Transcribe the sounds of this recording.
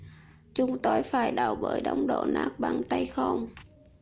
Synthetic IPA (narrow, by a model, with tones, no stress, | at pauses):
t͡ɕʊ˨˦ŋ͡mt̪o˧jfaː˧˩jɗa˧˩wɓəː˧˩jɗɔ˧˦wŋ͡mɗo̰˧˨naː˦˥k̚ɓa˧˩nt̪ə˧jxə˧wŋ͡m